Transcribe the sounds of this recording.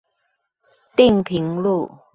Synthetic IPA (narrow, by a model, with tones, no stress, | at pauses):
t̪i˥˨ŋpʰi˨˦ŋlu˥˨